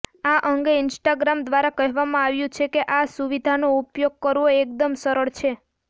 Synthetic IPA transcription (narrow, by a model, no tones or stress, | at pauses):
aʔəŋɡeɪnsʈaɡɾamd̪ʋaɾakəɦʋamãaʋjũt͡ʃʰekeʔasuʋid̪ʱanoupjoɡ̚kəɾʋoek̚d̪əmsəɾəɭt͡ʃʰe